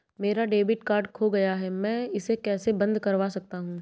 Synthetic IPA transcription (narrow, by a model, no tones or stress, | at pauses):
meːɾaɖeːbɪʈkaːɾɖkʰoɡɐjaɦɛmɛ̃ːɪsekɛːsebɐ̃nd̪kɐɾʋasɐk̚t̪aɦũː